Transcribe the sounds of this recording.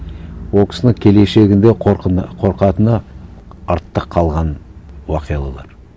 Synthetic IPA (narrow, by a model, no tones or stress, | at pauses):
woksnəŋkʲʰe̞le̞ʃe̞ɡʲɪnd̪e̞qʰo̞ɾqɑt̪ənɑ | ɑɾt̪ːəqʰːɑlˠʁɑnwɑqijɑlˠɑlˠɑɾ